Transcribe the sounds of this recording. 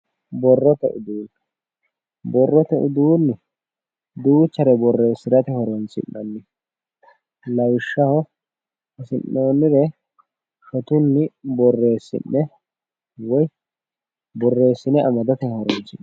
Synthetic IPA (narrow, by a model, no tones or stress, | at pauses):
bɔrːɔt̪ɛ̰ʔʊd̪uːn | bɔrːɔt̪ɛʔʊ̰d̪uːnːɪ | d̪uːt͡ʃːɐɾɛbɔrːe̞ːsːɪd̪ɐt̪ɛhɔɾɔnt͡sɪ̰nːɐnːɪ | lɐwɪʃːɐhɔ | ɪsɪnːoːnːɪɾɛ | ʃɔt̪ʊnːɪbɔrːe̞ːsːɪ̰nːɛ | wɔj | bɔrːe̞ːsːɪnɛʔɐmɐd̪ɐt̪ɛhɔɾɔnsɪn